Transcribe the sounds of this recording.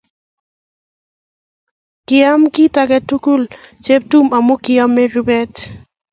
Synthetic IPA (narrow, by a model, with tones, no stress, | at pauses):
kɪ˨a˦mki˦ta˨kɛ˨tu˦ku˦lt͡ʃe˦p̚tu˦ma˨mo˦kɪ˨a˦mːɛ˦ɾu˦bɛ˦t